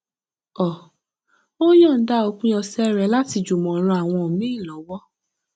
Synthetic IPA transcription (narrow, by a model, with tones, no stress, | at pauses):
ɔ˨ | o˦jɔ̃˦˨n̩˦da˦o˧kũ˦j̃ɔ̃˧sɛ˦ɾɛ˧˦la˦ti˧d͡ʒu˨mɔ̃˨˦ɾ̃ũ˧a˨w̃ɔ̃˧o˨mĩ˨˦ĩ˦˨lɔ˨˦wɔ˦